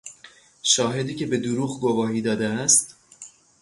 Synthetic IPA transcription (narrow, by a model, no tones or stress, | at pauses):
ʃɒːɦe̞d̪iːce̞be̞d̪uɾuːɣɡo̞vɒːɦiːd̪ɒːd̪eæst̪